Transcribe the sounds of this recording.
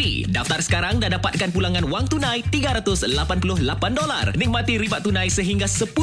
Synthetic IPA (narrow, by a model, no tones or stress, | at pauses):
ḭdaft̪arsə̥kaɾaŋdadapat̪̚kanpulaŋanwaŋt̪unãjt̪iɡaɾat̪ʊslapanpulʊhlapandola̰rnik̚mat̪iɾibaʔt̪ːunãjsəɦiŋɡasəpu